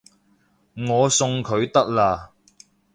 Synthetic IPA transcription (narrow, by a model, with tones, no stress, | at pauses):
ŋɔː˨˧sʊ˧ŋkʰɵ˨˧ɥt̪ɐ˥k̚laː˧˩